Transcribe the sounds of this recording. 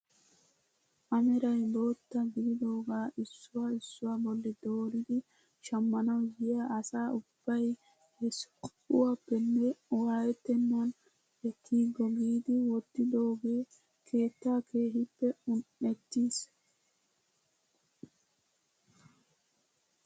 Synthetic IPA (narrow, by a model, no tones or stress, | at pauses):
ʔɐmɛɾɐjbo̞ːt̪ːɐɡɪdɪd̪o̞ːɡaːʔɪsːʊwaɪsːʊwabɔlːɛd̪o̞ːɾɪd̪ɪ | ʃɐmːɐnɐwɡɪjaːɐsaːʊb̥ːɐj | ɛs | ʊwapːɛnːɛwaːjɛt̪ːɛnːon | ɛkʰːiːɡɔɡiːd̪ɪwɔt̪ːɪd̪o̞ːɡeː | kʰe̞ːt̪ːaːkʰe̞ːɦɪpːɛʊnɛt̪ːiːs